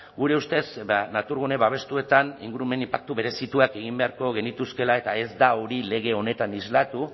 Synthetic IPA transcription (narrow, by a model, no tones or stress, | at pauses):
ɡuɾe̞ust̪e̞sanat̪uɾɣune̞βaβ̞e̞st̪ue̞t̪anḭŋɡuɾume̞nimpak̚t̪uβe̞ɾe̞sit̪uake̞ɣ̞imbe̞aɾko̞ɣ̞e̞nit̪uske̞lae̞t̪ae̞zd̪aoɾile̞ɣ̞e̞o̞ne̞t̪anizlat̪u